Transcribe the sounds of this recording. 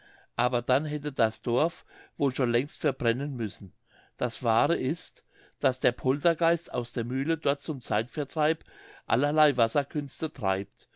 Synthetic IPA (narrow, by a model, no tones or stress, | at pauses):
ʔaːbɐdanɦɛtədasd̥ɔɐfv̥oːlʃoːnlɛŋstfɛɐbʁɛnənmʏsn̩ | d̥asv̥aːʁəʔɪst | d̥asd̥eːɐpʰɔltɐɡaɪsta̰ʊsd̥eːɐmyːlədɔɐt̚t͡sʊmt͡saɪtfɛɐtʁ̥aɪpʔa̰lɐlaɪvasɐkʰʏnstətʁ̥a̰ɪp̚t